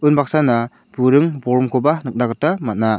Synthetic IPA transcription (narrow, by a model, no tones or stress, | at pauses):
ɯnbak̚sana | b̥uɾɯŋbɔɾɔmkʰɔbanɯk̚naɡɯtːamat̚na